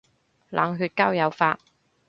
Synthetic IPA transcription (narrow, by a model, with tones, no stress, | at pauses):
lʔa̰ː˨ŋɦyː˧t̚kaː˥wjɐ˨˧wfaː˧t̚